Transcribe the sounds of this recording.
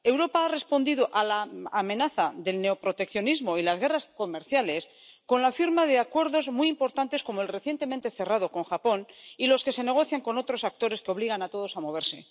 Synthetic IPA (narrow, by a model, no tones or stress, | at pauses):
e̞wɾo̞paare̞spo̞nd̪iðoʔalaːmẽ̞naθaðe̞lne̞opɾo̞t̪e̞kθjo̞nizmo̞ilazɣe̞rasko̞me̞ɾθjale̞s | ko̞nlafiɾmaðe̞akwe̞ɾðo̞zmujimpo̞ɾt̪ant̪e̞sko̞moelre̞θjent̪e̞ment̪e̞θe̞raðo̞ko̞ŋxapo̞nilo̞ske̞se̞ne̞ɣ̞oθjaŋko̞no̞t̪ɾo̞sak̚t̪o̞ɾe̞skeo̞β̞liɣ̞anat̪o̞ð̞o̞samo̞β̞e̞ɾse̞